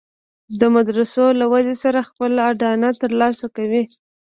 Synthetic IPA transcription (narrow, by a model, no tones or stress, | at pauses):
d̪əmad̪ɾasolawazesaɾaxpəlaɖɑnat̪əɾlɑsakawi